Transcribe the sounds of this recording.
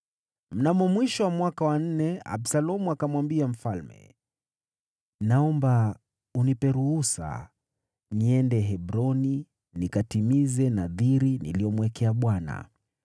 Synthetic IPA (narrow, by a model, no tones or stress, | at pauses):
m̩namɔmwiʃɔwamwakawan̩nɛa̰bsalɔmuakamwambiam̩falmɛ̰ | naɔmba | unipɛɾuhusa̰ | niɛndɛɦɛbɾɔni | nikatimizɛnaðiɾinḭlijɔmuwɛkɛaɓwana̰